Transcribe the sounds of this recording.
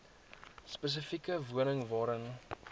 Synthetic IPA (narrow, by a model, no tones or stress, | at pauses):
spəs̬əfikəvuənəŋvɑːɾəŋ